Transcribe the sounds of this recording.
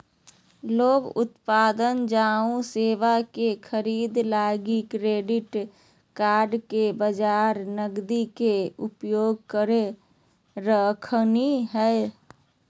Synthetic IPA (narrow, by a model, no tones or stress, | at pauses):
loːɡʊ̰t̪paːd̪ənd͡ʒaːũseːʋakekʰəɾiːd̪laɡikɾeːɖɪʈ | kaːɾɖkebəd͡ʒaɾnəɡd̪ikeupjoːɡ̚kəɾe | ɾəkʰniɦɛe